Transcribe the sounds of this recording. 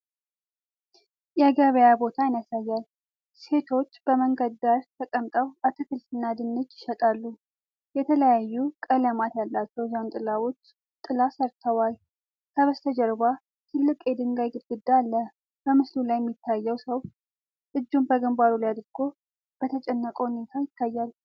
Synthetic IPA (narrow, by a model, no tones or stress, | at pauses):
jɛaɡəβəjabo̞t̪ʰajɪnasajːal | se̞t̪ʰo̞t͡ʃːb̥əməŋɡəd̪d̪aɾt̪ʰəkʼəmt̪ʼəwʔat̪ʰɨkʰɨlt̪ɨnːad̪ɨnːɨd͡ʒɪʃət̪ʼalːu | jɛt̪ʰələjajːukʼələmat̪jalːat͡ʃːɛwzawnt̪ʼɨlawut͡ʃː | t̪ʼːɨlasəɾt̪ʰəwal | kʰəβəst̪ʰəd͡ʒɛɾba | t̪ʰɨlːɨkʼjɛd̪ɨŋɡajɡɨɡɨd̪ːalːə | b̥əmɨslulajɛmːit̪ʰːajːɛwsəw | ʔɨd͡ʒːumbəɡəmbaɾuljad̪ɨɾɡʰo̞ | b̥ət̪ʰət͡ʃʼɛnːəkʼohne̞t̪ʰajɪt̪ʰːajːalː